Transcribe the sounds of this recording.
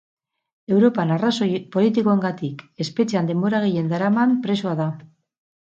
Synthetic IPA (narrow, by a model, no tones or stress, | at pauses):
e̞wɾo̞panarasopo̞lit̪̬iko̞e̞ŋɡat̪ike̞spe̞t͡ʃeand̪e̞mbo̞ɾaɣ̞eje̞nd̪aɾamampɾe̞soaða